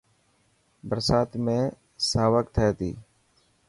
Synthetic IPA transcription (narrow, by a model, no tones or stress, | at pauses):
bəɾsaːt̪mẽː | saːʋəkt̪ʰɛt̪ḭː